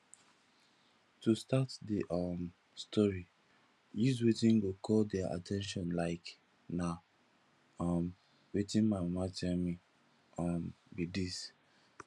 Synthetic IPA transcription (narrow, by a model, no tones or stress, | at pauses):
tustatdiʔɔm | stɔɹi | jiz̬wetĩnɡokʰɔldɛʔa̰tɛ̃nʃ̬ɔ̃nlaɪk | na | ɔm | wetĩnmaɪmamatɛlmi | ɔmbidis